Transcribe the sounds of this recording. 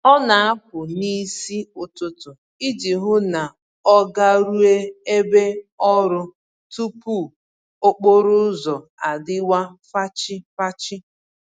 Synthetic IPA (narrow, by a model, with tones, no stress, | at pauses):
ɔ˦na˨a˦p̚ʊ˨ni˦si˦ʊ˨tʊ˦tʊ˨ | i˦d͡ʒi˨ɦʊ˦na˨ | ɔ˦ɡa˦ɾu˦e˦e˦be˦ɔ˦ɾʊ˦ | tu˦pu˦˨ | o˦k͡po˦ɾʊ˦zɔ˨ | a˨dɪ˦wa˦fa˦t͡ʃɪ˦fa˦t͡ʃɪ˦